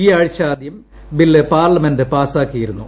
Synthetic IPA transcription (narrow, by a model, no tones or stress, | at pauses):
iːaːɻit͡ɕːaːd̪jɐm | bilːepaːrlɐmendɨpaːsaːkːijiɾunːu